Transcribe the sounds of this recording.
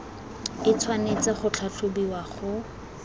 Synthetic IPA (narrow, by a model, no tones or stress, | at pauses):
ɪt͡sʰwanet͡saχʊt͡ɬʰaɬʰobiwaχʊ